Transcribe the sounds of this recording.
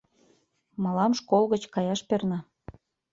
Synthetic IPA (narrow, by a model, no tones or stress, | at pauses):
mɑlɑmʃkolˠɣət͡ɕkɑjɑʃpernɑ